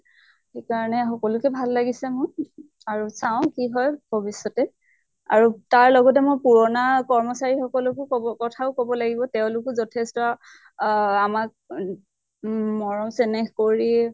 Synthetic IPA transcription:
xekaɹɔnɛxɔkɔlʊkɛbʱalːaɡisɛmʊ | aɹusaʊ̃kiɦɔjbʱɔbisɔtɛ | a̰ɹutaɹlɔɡɔt̬ɛmojpuɹɔnakɔɹmɔsaɹixɔkɔlʊkʊkɔtʰaʊkɔbɔlaɡibɔteʊ̃lʊkʊzɔtʰɛstɔ | amak̚ | mɔɹɔmsenexkoɹi

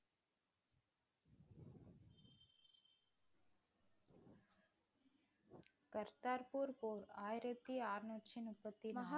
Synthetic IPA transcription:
kɐɾt̪aːɾpuɾpoːɾaːjɾɐt̪ːiaːɾnot͡ʃʰinupət̪ːimɐɦa

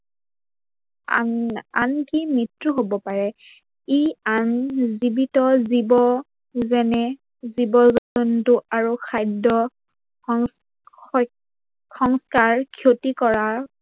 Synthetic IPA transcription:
ankimitɹuɦobɔpaɹɛ | ianzibitɔzibɔ | zɛnɛ | zibɔzɔɔntʊʔaɹukʰajdɔ | xɔŋskaɹkʰjotikɔɹa

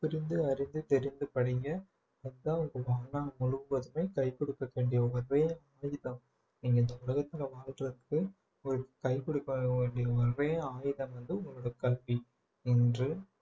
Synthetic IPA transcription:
pɪɾɪnd̪ɯɐɾɪnd̪ɯt̪ɛɾɪnd̪ɯpɐɽɪŋɡɐ | ɐðɯðãːʊŋɡɐʋaːnaːmʊɻɯbɐðɯmeːkɐɪkːɔɽɯkːɐʋeːɳɖɪjɐʋɐɾʋeːaːjɪðɐm | niːŋɡɐɪnd̪ɐʊlɐɣɐt̪ːɪlɐʋaːlrɐðɯkːɯ | ɔɾɯkɐɪkɔɽɯkːɐeːɳɖɪjɐʋɐɾʋeːaːjɪðɐmʋɐnd̪ɯʊŋɡɭɔɽɐkɐlʋi | ɪndrɯ

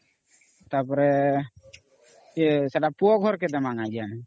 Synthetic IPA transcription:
t̪apɔɾɛ | ɛsadapuɔɡʱɔɾkɛd̪amaŋad͡ʒan

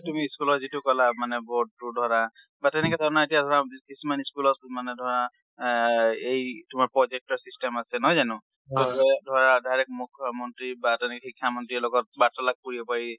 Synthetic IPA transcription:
tumiːskulɔtzitʊkɔlamanɛbɔɹd̚ːudʱɔɹa | batɛnɛkɛtaɹnaetijadʱɔɹakisimaniskulɔt̚manɛdʱɔɹa | ejtʊmaɹpɹɔzek̚tɔɹsistɛmasɛnɔjzanʊ | ɔɛdʱwɔɹadajɹɛk̚mukʰːjɔmɔntɹibatɛnɛkɛxikʰːjamɔntɹiɛlɔɡɔt̚batɔlak̚puɹibɔpaɹi

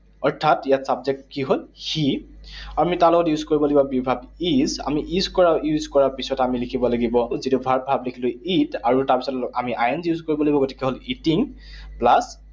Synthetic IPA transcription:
ɔɹtʰːatijatsabzɛk̚kiɦolxi | amitãw̃lʊkɔtjuzkoɹibɔlaɡibɔbibʱabiza̰miʔizkɔɹajuzkɔɹapisɔtamilikʰibɔlaɡibɔzitubʱabʱablekʰilʊitaɹutaɹpisɔtamiʔajɛnsjuzkoɹibɔlaibɔɡotʰi̥kɛɦolitiŋ | plas

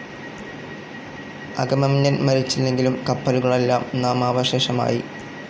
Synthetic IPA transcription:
ɐɡɐmɐmiɲːɐnmɐɾit͡ɕːilːe̞ŋɡilumkɐpːɐluɣɐɭe̞lːaːmnaːmaːʋɐɕe̞ːʂɐma̰ːji

